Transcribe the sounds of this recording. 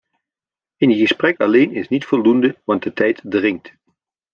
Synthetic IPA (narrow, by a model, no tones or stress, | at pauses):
ɪnɣəsprɛkɑlejnɪsnitfɔlˠdundəʋɑnt̚dətɛjtdrɪŋt